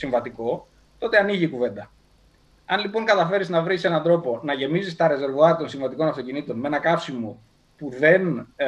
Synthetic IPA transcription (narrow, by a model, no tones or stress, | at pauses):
siɱvɐt̪iko̞ | t̪o̞t̪e̞ɐniʝiːkuve̞nd̪ɐ | ɐnlipo̞ŋkɐt̪ɐfe̞ɾiznɐvɾise̞nɐnd̪ɾo̞po̞nɐʝe̞mizist̪ɐɾe̞ze̞ɾvoɐɐt̪o̞nsiɱvɐt̪iko̞nɐft̪o̞cinit̪o̞nmeenɐkɐfsimo̞ | puðe̞n